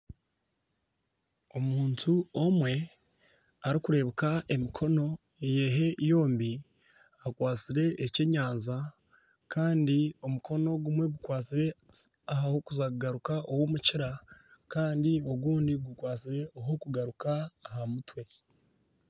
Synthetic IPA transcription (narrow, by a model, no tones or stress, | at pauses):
omuːntʰuomwe̞ | aɾikuɾe̞βukaʔe̞mikʰo̞no̞ | ejeɦe̞ijo̞ːmbi | akwaːt͡siɾe̞ʔːce̞ɲaːnza | kʰaːndio̞mukʰo̞no̞ɡumwe̞ɡukwaːt͡siɾe̞ | aɦahokuzakuɡaɾukaʔowomuciɾakaːndio̞ɡuːndiɡukwaːt͡siɾe̞oɦokuɡaɾukaːɦamutwe̞